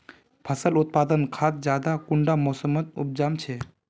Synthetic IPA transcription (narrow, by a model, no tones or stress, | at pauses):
pʰəsəlut̪̚pad̪ənkʰat̪̚d͡ʒad̪akuɳɖamɔsəmət̪ṵp̚d͡ʒamt͡ʃʰe